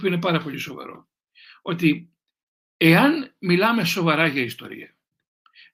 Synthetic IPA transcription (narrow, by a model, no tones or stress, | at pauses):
pioinepɐɾɐpo̞ʎiso̞vɐ̰ɾo̞̰ | o̞t̪i | e̞ɐnmilɐme̞so̞vɐɾɐʝɐist̪o̞̰ɾḭɐ